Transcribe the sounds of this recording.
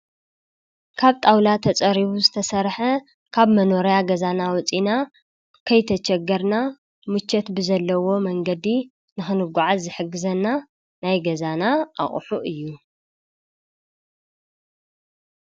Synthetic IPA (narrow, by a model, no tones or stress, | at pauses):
kʰaβt̪ʼawlat̪ʰɐt͡sʼɐɾiβuzɨt̪ʰɐsɐɾħɐ | kʰaβmɐno̞ɾijaɡɐzanawɔt͡sʼina | kʰɐjt̪ʰɐt͡ʃʰɛɡɐɾna | mɨt͡ʃːɐt̪bɨzɐlːɐwo̞mɐŋɡɐd̪i | nɨxɨnɨɡʷuʕazzɨħɨɡːɨzɐnːa | najɡɐzanaʔa̰χʼħuʔɨjːu